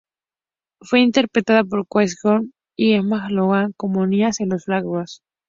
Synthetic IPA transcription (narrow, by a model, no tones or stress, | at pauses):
fwe̞int̪e̞ɾpɾet̪aðap̬o̞ɾkwesɡom | iemaxloɣaŋkomoniasenlosflaɣwas